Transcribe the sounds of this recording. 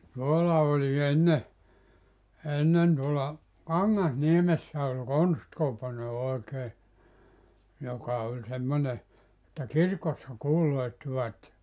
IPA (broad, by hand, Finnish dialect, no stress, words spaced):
tuolːɑ olʲi enːe enːen tuolɑ kɑŋːɑsniemesːæ olʲ konstkopone oekeː jokɑ olʲ semːone etːæ kirkosːɑ kuːloitːiʋɑt et